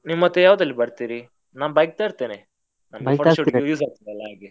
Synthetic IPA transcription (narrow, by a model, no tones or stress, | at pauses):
niːʋmɐt̪ːejaːʋud̪ɐlːibɐɽt̪iːɾi | naːnbɐjk̚t̪aːɾt̪eːne | nɐmbɐjpɐɾt̪aʃojuːsaːɡ̚t̪iɾɐlːaɦaːɡe